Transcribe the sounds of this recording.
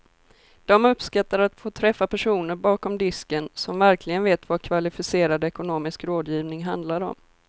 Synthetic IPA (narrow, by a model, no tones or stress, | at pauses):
d̪̥ɔmɵpskat̪ːaɾat̪foːt̪ʰɾɛfːapæʂuːnəɾbɑːkɔmd̪ɪskənsɔmvæɾklɪɡənveːt̪vakʰvalɪfɪseːɾad̪ɛkʊnoːmɪskɾoːd̪jiːvnɪŋɦand̪laɾɔ̰m